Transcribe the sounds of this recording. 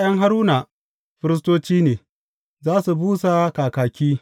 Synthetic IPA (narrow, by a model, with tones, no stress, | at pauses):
jɐ˦ŋɦa˦ɾuː˦na˨ | ɸɪ˦ɾɪ˦s̬toː˦t͡ʃiː˦neː˨ | zaː˦su˨buː˦sa˨kaː˨kaː˨kʲiː˦